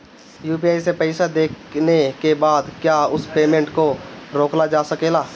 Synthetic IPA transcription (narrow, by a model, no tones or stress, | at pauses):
juːpiaːjsepɛɪsad̪eːknekebaːd̪kjaːʊspeːmẽɳʈkoɾoːklad͡ʒaːsɐkeːlaː